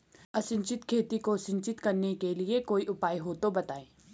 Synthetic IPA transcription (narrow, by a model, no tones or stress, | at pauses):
ɐsɪ̃ɲt͡ʃɪt̪kʰeːt̪ikosɪ̃ɲt͡ʃɪt̪kɐɾnekeliekoːiʔʊpaːiɦoːt̪obɐt̪aːẽː